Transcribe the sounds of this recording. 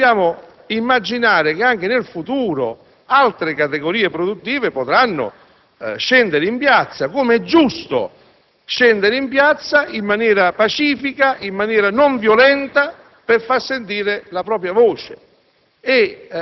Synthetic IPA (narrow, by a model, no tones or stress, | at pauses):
bjaːmʊ | imːad͡ʒinaːɾɪk̟ɪaŋk̟ɪnɪlfut̪uːɾʊ̰ | alt̪ɾɪkat̪ɪɡoɾiːepɾod̪ut̪ːiːvɪpʊt̪ɾanːʊ̰ | ʃɛnd̪ɪɾɪimpjat̪sːakumɛd͡ʒːust̪ʊ̰ | ʃɛnd̪ɪɾɪimpjat̪sːaʔimːanjɛːɾapat͡ʃiːfikaʔimːanjɛːɾanɔɱvjolɛnt̪a | pɪrfarsent̪̬iːɾɪlapɾɔːpɾjavɔːt͡ʃɪ̰ | ɪ